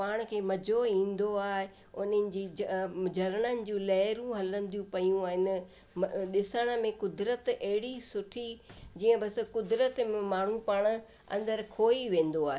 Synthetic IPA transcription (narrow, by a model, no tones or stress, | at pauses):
paːɽ̃̆kʰeːmɐd͡ʑʱoĩːn̆d̪oaːɦe | ʊn̤ənɪ̆d͡ʑiːd͡ʑʱɐɾɳənɪ̆d͡ʑũːlɐːɦɾũɦɐlə̃nd̪ijũpɐjũaːɦɪn | mɗɪsəɽ̃ə̆mẽkʊd̪ɾət̪ɐɦɪɽisʊʈʰid͡ʑiːə̃bɐs̆kʊd̪ɾət̪mẽmaːɳ̤ũpaːɽ̃̆ | ɐ̰̃nd̪əɾkʰoːiʋẽːn̆d̪oaːɦe